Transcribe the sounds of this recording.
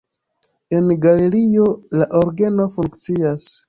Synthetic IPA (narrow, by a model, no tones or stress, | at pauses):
e̞nɡale̞ɾio̞laʔoɾɡe̞no̞fuŋkt͡sias